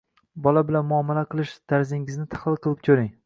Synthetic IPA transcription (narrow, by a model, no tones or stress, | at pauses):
bɒlabɪlanmʊɒmːalaqʰɨlˠɪʃt̪ʰaɾzɪŋɪznɪt̪ʰḁχlˠɪlˠqʰɨlˠɪp̚kʲʰɵɾɪŋ